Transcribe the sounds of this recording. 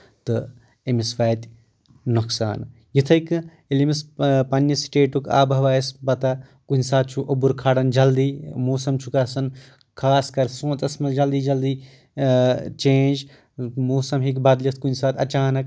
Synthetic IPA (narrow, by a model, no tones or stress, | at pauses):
t̪ɨ | emisʋaːt̪ʲ | nuksa̰ːn | jit̪ʰɐik | ilimispɐnːjɐsʈeːʈuka̰ːbɐʋaːjsbɐt̪a | kunʲsaːt̪̚ʰt͡ʃʰuʔobuɾkʰaːɽɐnd͡ʒɐld̪iːmoːsɐmt͡ʃʰukɐsɐn | kʰaːskɐɾsõːt̪ɐsmɐld͡ʒɐld̪iːd͡ʒɐld̪iː | t͡ʃẽːnd͡ʒ | moːsɐmɦikbad̪lʲist̪̚kunʲsaːt̪ʰʲɐt͡ʃaːnɐk